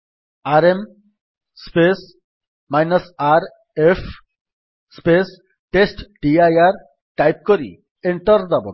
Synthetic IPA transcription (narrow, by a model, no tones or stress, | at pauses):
aɾem | spes | majnɐsaɾ | efʰ | spes | ʈesʈɖiajaɾ | ʈajp̚koɾḭ | eɳʈɔɾd̪abɔ